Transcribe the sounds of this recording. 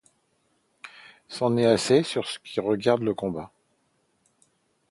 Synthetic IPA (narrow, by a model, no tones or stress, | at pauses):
sɑ̃nɛasesyʁsə̥kʲʰiʁəɡaʁd̪ləkɔ̃ba